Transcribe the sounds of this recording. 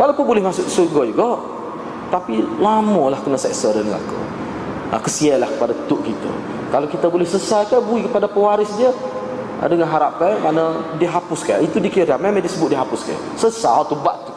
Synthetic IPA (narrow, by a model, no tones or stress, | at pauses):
walawpʊnbolɛhmasʊksuɡɔjuɡɔʔ | t̪apilamɔlahkənasɛksəɾənəŋa̰ko̰ | ə̰kəsialahkə̥padat̪ʊʔkit̪ə̰ | kalakit̪abolɛhsəsajkabəikəpadapəwaɾɪsdiə | ə̰dəŋanɦaɾapɛnkanadiəɦapʊskajit̪udikiɾamɛmadisəbʊt̪̚diəɦapʊska̰ | səsat̪ubaʔt̪ːu̥